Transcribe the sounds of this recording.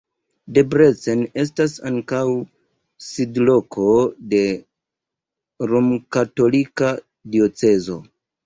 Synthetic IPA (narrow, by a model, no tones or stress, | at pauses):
debɾet͡sene̞s̬tasaŋkaw | sidlo̞kʰo̞de̞ | ɾomkato̞lika | dio̞t͡se̞zo̞̰